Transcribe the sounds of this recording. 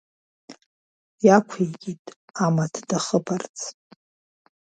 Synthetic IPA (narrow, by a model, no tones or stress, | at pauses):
jakʷʰejkʲʼitʼamatʰd̥aχəpʰart͡sʰ